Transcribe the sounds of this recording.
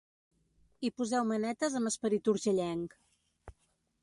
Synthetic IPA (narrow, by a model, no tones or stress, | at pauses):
ipuzɛwmənɛt̪əzəməspəɾit̪uɾʒəʎɛŋk